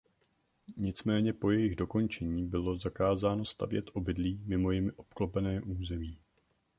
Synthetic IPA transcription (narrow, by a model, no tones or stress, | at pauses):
ɲɪt͡smɛːɲɛpo̞jɛjɪɣdo̞ko̞nt͡ʃɛɲiːbɪlo̞zakaːzaːno̞st̪a̰vjɛt̪ʔo̞bɪdliːmɪmo̞jɪmɪʔo̞pklopɛnɛːʔuːzɛmiː